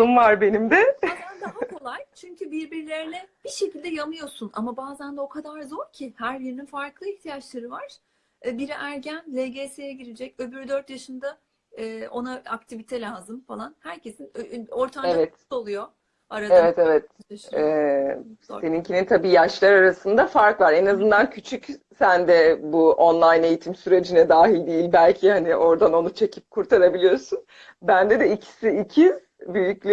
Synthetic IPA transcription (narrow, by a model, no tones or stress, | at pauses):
umvaɾbe̞nimd̪ɛaand̪aɦako̞lˠajt͡ʃʰyɲcʰybiɾbiɾlʲe̞ɾinɛb̥iʃe̞cilʲd̪ɛjamɯjo̞sunʔa̰mabaːzænd̪ɛo̞kʰad̪aɾzo̞ɾcʰihæɾbiɾininfaɾklˠɯiçt̪ʰijat͡ʃlˠaɾɯvaɾ̥ | biɾiʔæɾɟænlʲeɟesejɛɟiɾed͡ʒɛcø̞byɾyd̪øɾt̪jaʃɯnd̪a | ɛːo̞naakt̪ʰivit̪ʰɛlʲaːzɯmfalˠanhæɾcʰe̞sino̞ɾt̪ʰameavɛt̪t̪o̞lˠujo̞ | aɾaevɛt̪evɛt̪̚ɛ | se̞nincʰinint̪ʰabiːjaʃlˠaɾaɾasɯnd̪afaɾkvˠaɾe̞nazɯnd̪ancʰyt͡ʃʰycsænd̪ɛbuo̞nlˠajne̞jit̪ʰimsyɾe̞d͡ʒinɛd̪aːɦilʲd̪ijilʲbælʲcʰihaniʔo̞ɾd̪ano̞nut͡ʃʰe̞cʰip̚kʰuɾt̪ʰaɾabilʲijo̞ɾsun | bænd̪ɛd̪ɛicʰi̥siicʰiz | byjycʲlʲ